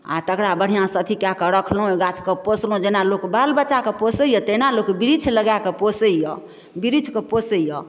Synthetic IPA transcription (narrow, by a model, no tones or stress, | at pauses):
a̰t̪əkɾabəɽ̤ijãsət̪ʰikjakəɾəkʰlɦũeɡat͡ʃʰkəposlɦũd͡ʒenalokbalbəːt͡ʃakeposəjət̪enalokbiɾit͡ʃʰləɡakeposəjjɔ | biɾit͡ʃʰkəposəjɔ